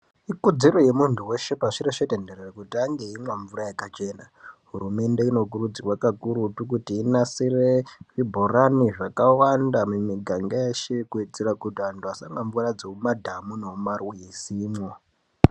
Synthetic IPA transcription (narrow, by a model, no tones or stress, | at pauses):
ikud͡ziɾo̞je̞muntʰuwe̞ʃepaʂiɾeʂetendererekutiaŋɡe̞imwaɱvurajakat͡ʃe̞ːna | ɦuɾume̞nde̞ino̞k̬urud͡zirwakakuɾutukutiːnasireʐibʱoraniʐakawandamumiɡʱaŋɡajeʃikuid͡zeɾakutiantʰuasaŋɡaɱvurad͡zoumadʱamunomarwujisiːmwo